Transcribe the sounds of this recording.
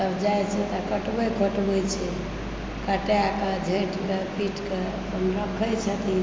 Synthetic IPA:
t̪əbd͡ʒajt͡ʃʰɛt̪akəʈbəjkəʈbət͡ʃʰɛ | kəʈejakəd͡ʒʱẽʈkepiʈke | pənɾəkʰəjt͡ʃʰət̪i

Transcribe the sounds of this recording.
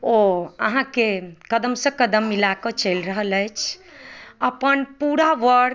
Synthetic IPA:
oəɦãkekəd̪əmsə̃kəd̪əmːilakət͡ʃəlɾəɦələjt͡ʃʰ | əpənpuɾaʋəɽ

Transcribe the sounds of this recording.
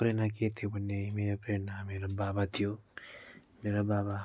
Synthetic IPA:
pɾenak̬et̪ʰepənːemeɾepɾeːnameːɾobaːbat̪ʰijo | meːɾabaːba

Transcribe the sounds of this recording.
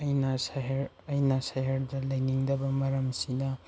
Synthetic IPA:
ɐjnɐsaɦɾ | ɐjnɐsɐɦɐɾdɐlɐjniŋdɐbɐmɐɾɐmsinɐ

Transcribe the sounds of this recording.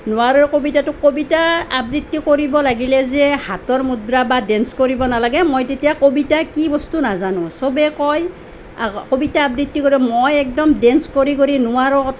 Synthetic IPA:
nʊwaɹɔɹkobitatʊkobitaːbɹitːikoɹibɔlaɡilɛzɛhatɔɹmudɹabadɛnskoɹibɔnalaɡɛmojtetijakobitakibɔstunazanʊ̃sobɛkɔj | kobitaːbɹitːikoɹiɛmojɛk̚dɔmdɛnskoɹikoɹinʊwaɹɔɔ

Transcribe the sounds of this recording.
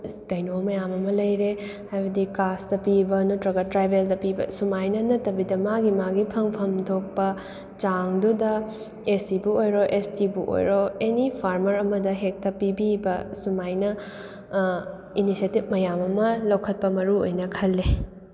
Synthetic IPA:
kɐjnomɐjamɐmɐlɐjɾehajbɐdikasdɐpibɐnutɾɐɡɐtɾajbʱeldɐpibɐ̰sumajnɐnɐtːɐbidɐmaɡimaɡipʰɐŋpʰɐmdʰok̚pɐ | t͡ʃaŋdudɐ | esibuojɾoʔestibuʔo̰jɾoenipʰaɾmɐɾɐmɐdɐɦek̚tɐpibibɐsumajnɐ | inisietib̚mɐjamɐmɐlɐwkʰɐt̚pɐmɐɾuo̰jnɐkʰɐlːe

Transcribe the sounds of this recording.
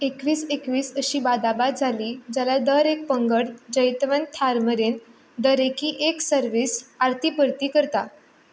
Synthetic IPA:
ekʋiːsekʋiːsəɕiːbad̪abad̪̚d͡zʱaliːd͡ʑjalad̪əɾek̚pəŋɡəɽd͡ʑəjt̪ʋənt̪ʰaɾməɾen | d̪əɾekiːʔeksəɾʋiːsaɾt̪ʰipəɾt̪iːkəɾt̪a

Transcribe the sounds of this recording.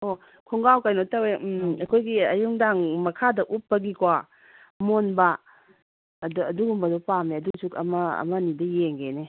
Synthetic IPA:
o | kʰuŋɡawkajnotaweɐkʰojɡiɐjuŋdaŋmɐkʰadɐʔupːɐɡikwa | monbɐ | dɐduɡumbɐdopameɐduŋsukɐ̰mɐɐ̰mɐnidɐjeŋɡene

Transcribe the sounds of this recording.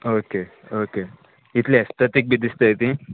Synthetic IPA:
oke | oke | it̪ʰleest̪ʰət̪ik̚bʱid̪ist̪əjt̪ĩ

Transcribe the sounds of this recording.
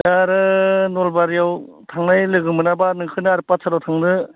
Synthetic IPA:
jaɾɯnolbaɾijaw | tʰaŋnajlɯɡɯmɯnabanɯŋkʰɯnɯaɾpasʰaɾawtʰaŋdɯ

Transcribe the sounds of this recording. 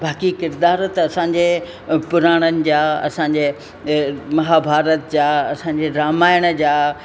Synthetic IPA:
baːkikɪɾd̪aːɾt̪ɐɐsãːɲd͡ʑe | pʊɾaːɽ̃ənɪ̆d͡ʑaːɐ̰sãɲd͡ʑeː | mɐɦaːbʱaːɾət̪d͡ʑaːɐsãːɲd͡ʑeɾaːmaːjəɽ̃ə̆d͡ʑaː

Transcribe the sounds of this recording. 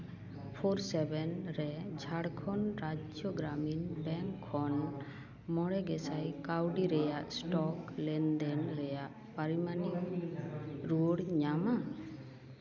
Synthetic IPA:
pʰoɾsɛbɛnɾɛd͡ʒʱaɽkʰɔnɾad͡ʒjɔɡɾaminbɛŋkʰːɔn | mɔɽɛɡɛsajkawɖiɾɛjaʔsʈɔklɛnd̪ɛnɾɛjaʔ | paɾimani | ɾuɽɲama

